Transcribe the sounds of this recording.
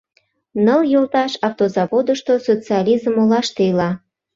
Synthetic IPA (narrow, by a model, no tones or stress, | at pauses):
nəljolt̪ɑʃɑft̪ozɑβod̪əʃt̪osot͡siɑlʲizəmolɑʃt̪ejlɑ